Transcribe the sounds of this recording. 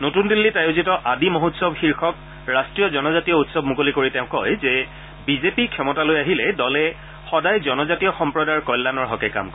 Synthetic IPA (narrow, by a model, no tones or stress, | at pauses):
notundilːitajozitɔʔadimoɦutsɔbxiɹxɔk | ɹastɹijɔzɔnɔzatijɔutsɔbmukolikoɹiteʊ̃kɔjzɛ | bizepikʰːɔmɔtalojaɦilɛdɔlɛ | xɔdajzɔnɔzatijɔxɔmpɹɔdaɹkɔjlːanɔɹɦɔkɛka̰mkɔ